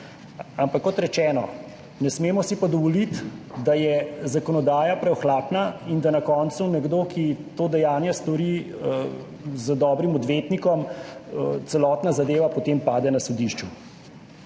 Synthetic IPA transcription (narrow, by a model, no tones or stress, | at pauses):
ampakːɔt̪ɾɛt͡ʃɛːnɔ̰ | nɛsmeːmɔsipad̪ɔʋɔlit̪d̪ajɛzakɔnɔd̪aːjapɾɛɔxlaːpnaind̪anakɔːnt̪sunɛɡd̪oːkit̪oːd̪ɛjaːnjɛst̪ɔɾiə | zəd̪ɔːbɾimɔd̪ʋet̪nikɔm | t̪sɛlɔːt̪nazad̪eːʋapɔt̪eːmpaːd̪ɛnasɔd̪iʃt͡ʃu